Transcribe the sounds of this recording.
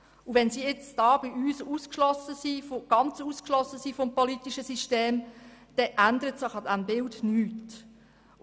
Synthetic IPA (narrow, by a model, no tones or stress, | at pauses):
uʋɛnsiːɪt͡sd̥ɑːbiʔyːsuːskʃlɔsəsifɡ̥ɑnt͡suːskʃlɔsːəsiːfɔmpɔlit̪iʃəsiʃteːmd̥ɛʔændəɾətsɪχɑdænbɪldnyːt